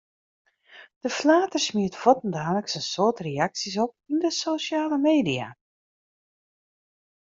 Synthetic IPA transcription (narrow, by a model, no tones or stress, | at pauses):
d̥əflaːtərsmiətfɔtəndaːnləksənsoːtrejaksis̬ɔp̚ | indəsosjaːləmeːdia̰